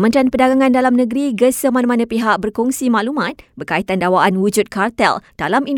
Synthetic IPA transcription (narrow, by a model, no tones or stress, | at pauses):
mə̃nɾanpədaɡaŋãndalamnəɡɾiɡəsəmanamanãpiɦaʔ̚bərkuŋsimaʔlumãt̪̚bərkait̪andawaʔanwud͡ʒʊt̪̚kart̪ɛ̰ld̥alamin